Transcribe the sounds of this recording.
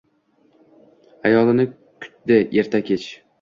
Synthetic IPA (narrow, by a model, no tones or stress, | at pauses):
ajɒlˠɪnɪ | kʲʰʊ̥t̪̚d̪ɪeɾt̪ʰakʲʰet͡ʃ